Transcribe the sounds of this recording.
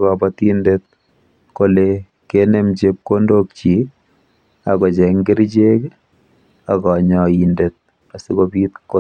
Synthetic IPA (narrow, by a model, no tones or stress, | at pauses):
kapatindet̪̚ | kole | kenemt͡ʃep̚kondok̚t͡ʃi | akɔt͡ʃɛŋɡɪɾt͡ʃek | akɔɲɔindet̪̚ | asikopit̪ko